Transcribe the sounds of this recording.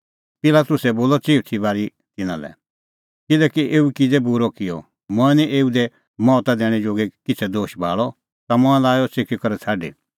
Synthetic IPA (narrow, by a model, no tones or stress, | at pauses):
pɪlaːt̪ʊsɛboːlɔt͡siːut̪ʰibaːɾi | t̪ɪnã̰lɛ̰ | kɪlɛkiʔeːukid͡zɛbuɾɔkɪjɔ̰ | mɔ̃ɛnĩʔeːud̪ɛ | mɔt̪ad̪ɛːɽ̃ɛd͡ʒoːɡɛkɪt͡sʰɛd̪oːʃbʱa̰ːɭɔ | t̪amɔ̃ɛ̃laːjɔsekʰikɔɾɛt͡sʰaːɖḛ